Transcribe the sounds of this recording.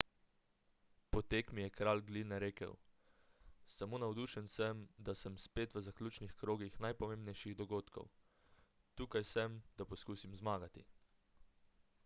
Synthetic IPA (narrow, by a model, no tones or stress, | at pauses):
pɔt̪eːkmijɛkɾaːlɡlinɛɾeːkə̰w | samoːnawd̪uːʃənsəmd̪asəmspeːt̪ʋəzaklʲuːt͡ʃnixkɾoːɡixnajpɔmembnɛjʃiɣd̪ɔɡoːt̪kʰɔ̰w | t̪uːkajsəmd̪̥apɔskuːsimzmaːɡat̪ḭ